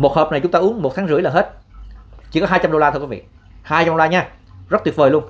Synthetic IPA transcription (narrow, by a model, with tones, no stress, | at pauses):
mo˨˩t̚həː˨˩p̚na˨˩jt͡ɕʊ˦ŋ͡mt̪aː˧ʔu˨˦əŋmo˨˩t̚t̪ʰaː˨˦ŋzɨ˧˥əjlaː˨˩ɦe˦˥t̚ | t͡ɕi˧˩kɔ˨˦ɦaː˧jt͡ɕa˧mɗo˧laː˧t̪ʰɨ˧kwvḭ˧˨ | haː˧jt͡ɕa˧mɗo˧laː˧ɲaː˧zə˦˥t̚t̪wt̚vəː˨˩jlu˧ən